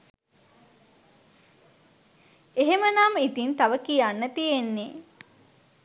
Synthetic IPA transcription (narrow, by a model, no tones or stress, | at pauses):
eɦemənamit̪int̪aʋəkijanːət̪ijenːe